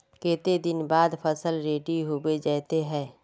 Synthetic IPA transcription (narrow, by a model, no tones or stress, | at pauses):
keːt̪ed̪ɪnbaːd̪pʰəsəlɾeːʈiɦobed͡ʒɛːt̪eɦɛ̃ː